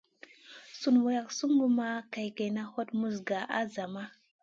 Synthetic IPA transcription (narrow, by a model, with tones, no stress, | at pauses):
su˨nwa˨ja˨ksu˦ŋɡu˦ma˦ka˨jke˨na˦ho˦tmu˦zɡa˨ʔa̰˦za˨ma˦